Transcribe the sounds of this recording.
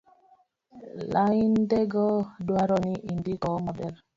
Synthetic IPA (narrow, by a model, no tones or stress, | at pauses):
laindeɡɔdwaɾɔniʔindikɔmabɛɾ